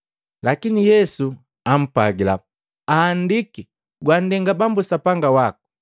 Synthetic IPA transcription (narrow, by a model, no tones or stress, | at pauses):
lakinijɛsu | am̩paɡila̰ | aːndiki | ɡwandɛŋɡabambusapaŋɡawaku̥